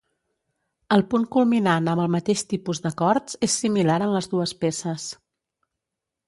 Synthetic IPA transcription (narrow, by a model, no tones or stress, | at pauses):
əlˠpuŋkulˠminanəmbəlˠmət̪eʃt̪ipuzd̪əkɔɾt͡sesːimilaɾənləzðuəspesəs